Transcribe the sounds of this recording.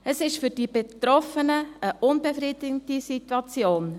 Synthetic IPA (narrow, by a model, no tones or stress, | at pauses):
əsɪʃfʏɾd̥ibetrɔfənəəʔʊnbefridɪɡəntisitwɑt͡sjoːn